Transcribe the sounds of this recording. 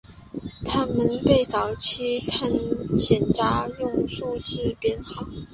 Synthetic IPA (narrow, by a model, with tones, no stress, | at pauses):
t̪ʰa˥nmə˧˥npe˥˩ɪt͡sɑ˨˩ʊt͡ɕʰi˥t̪ʰa˥˩nɕjɛ˨˩nʈ͡ʂa˧˥jʊ˥˧ŋʂu˥˧t͡ɕ̩˥˧pjɛ˧˥nxɑ˨˩˦ŋ